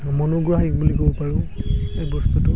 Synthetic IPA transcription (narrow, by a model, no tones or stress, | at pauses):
mɔnoɡɹaɦik̚bulikobɔpaɹʊ̃ejbɔstutʊ